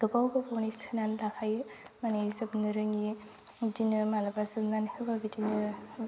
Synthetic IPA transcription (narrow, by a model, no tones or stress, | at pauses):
ɡ̥ɯbawbɯpɔnisʰɯnanlakʰaj | manizɯbnɯɾɯŋi | dinɯmalabazɯbnanhebabidinɯ